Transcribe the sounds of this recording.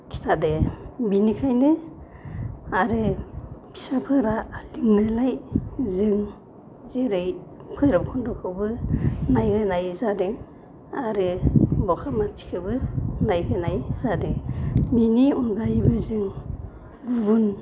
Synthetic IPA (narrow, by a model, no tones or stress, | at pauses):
kʰi̥tʰadebinikʰajnɯ | aɾɯpʰi̥sapʰɯɾaliŋnɯlajzɯŋ | zeɾɯjkʰɯjɾapkʰɔndɔkʰɯwbɯnajhɯnajzadeŋ | aɾɯbɔkʰamati̥kʰɯbɯnajhɯnajz̥adeŋbiniɔnɡajbɯzɯŋ | bubun